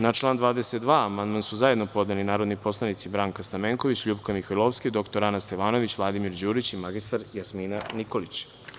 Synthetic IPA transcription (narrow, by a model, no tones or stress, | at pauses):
nat͡ʃlˠaːnd̪ʋaːd̪eset̪̚d̪ʋaːamand̪mansuzaje̞d̪no̞po̞d̪nelinaːɾo̞d̪nipo̞slˠanit̪sibɾaːŋkast̪ameŋko̞ʋit͡ɕʎubkamixojlˠoʋsked̪o̞kt̪o̞ɾanast̪eʋaːno̞ʋit͡ɕʋlˠad̪imiɾd͡ʑuːɾit͡ɕimaɡist̪aɾjasmiːnaniko̞lit͡ɕ